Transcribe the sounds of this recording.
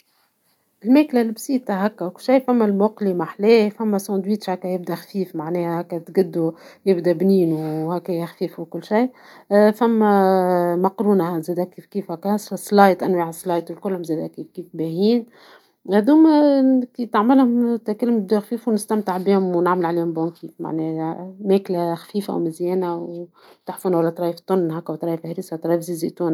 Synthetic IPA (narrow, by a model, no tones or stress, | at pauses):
ɪlmæːklælbsiːt̪aɦækːæwkʊlʃajːfæmːælmʊqlimaħlɛːfæmːæsɑ̃ːd̪wiːt̪ʃhækːæjɪb̚d̪æxfiːfmaʕnɛːhæhækːæt̪ɡɪd̪ːujɪbd̪æbniːnuhækːæjɪxfiːfukʊlːʃajfæmːæmɑqɾuːnahzɛːd̪ækiːfkiːfhækːææsˤsˤlɑːjt̪ʔænwaʕsˤlɑːjt̪ɪlkʊlhʊmzɛːd̪ækiːfkiːfbæhiːn | hæd̪uːmkit̪aʕmɪlhʊmt̪ækælːmb̚d̪uxfiːfuwnɪst̪æmt̪ɪʕbiːhʊmwnaʕməlʕaleːhʊmbihʊmkiːfma̰ʕnemæːklaxfiːfa̰wmɪzjɛːnaw | t̪aħfuːnwalːæt̪ɾˤɑːjəft̪ˤːʊnːɦæːkːæwt̪ˤɾˤɑːjəfhæɾisat̪ɾɑjfziziʔt̪uːn